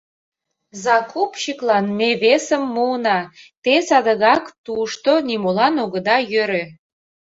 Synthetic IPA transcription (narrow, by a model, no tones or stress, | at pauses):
zɑkupɕiklɑnmeβesə̆mːunɑt̪esɑd̪əɣɑkt̪uʃt̪onimulɑnoɣə̆d̪ɑjøɾø